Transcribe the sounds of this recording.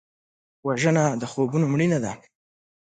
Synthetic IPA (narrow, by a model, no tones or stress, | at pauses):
waʒənad̪əxobunomɽinad̪a